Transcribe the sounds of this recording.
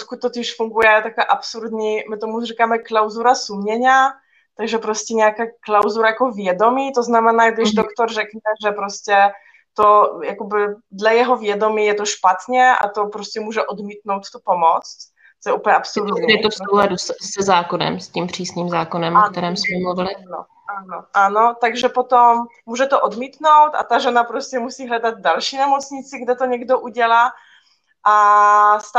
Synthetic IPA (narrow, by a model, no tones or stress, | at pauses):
ot̪kut̪̚t̪ːot̪ɪʃfuŋɡujɛt̪akaːʔapsuɾd̪ɲimɪt̪omurikaːmɛklawzuɾasumɲɛɲa | t̪aɡʒɛpɾoscɛɲɛjakaːklawzuɾajakovjɛdomiːt̪oznamɛnaːɡd̪ɪʒdokt̪oɾrɛknɛʒɛpɾoscɛ | t̪ojakobɪdlajɛɦovjɛdomiːjɛt̪oʃpat̪ɲɛʔa̰t̪opɾoscɛmuːʒɛʔod̪miːt̪nowt̪t̪upomot͡st̪ | t̪ojɛupəlɲɛʔapsolɛjɛt̪ofsowlɛdusɛzaːkonɛ̰mscimpr̝̥iːsɲiːmzaːkonɛmʔok̚t̪ɛɾɛːmsmɛmluvɪlɪno̰ | ʔanoʔanot̪aɡʒɛpot̪omː | uːʒɛt̪oʔod̪miːt̪nowt̪a̰t̪aʒɛnapɾoscɛmusiːɦlɛdad̪̚dalʃiːnɛmot͡sɲɪt͡sɪɡdɛt̪oɲɛɡdoʔuɟɛlaː | ʔast̪